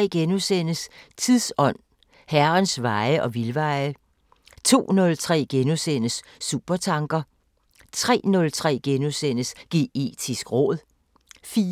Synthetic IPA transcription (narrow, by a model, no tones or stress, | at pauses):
ɡ̥enusenəst͡sʰiðˠsɒ̽n̰ | hæɐɐnsʋɑ̈ɪəʔɒ̽ʋilʋɑ̈ɪə | t͡sʰo̝̰ːnɔ̽lt͡sʰʁɛ̰ːɡ̥enusenəsːub̥ɐt͡sʰɑ̈ŋɡ̥ɐ | t͡sʰʁɛ̰ːnɔ̽lt͡sʰʁɛ̰ːɡ̥enusen̰əsɡ̥e̝̰edʰisɡ̥ʁɔ̰̽ːðˠ | fiː